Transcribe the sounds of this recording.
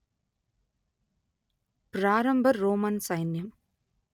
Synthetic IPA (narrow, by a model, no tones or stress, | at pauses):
pɾaːɾɐmbʱɐːoːmɐnsɐjnjɐm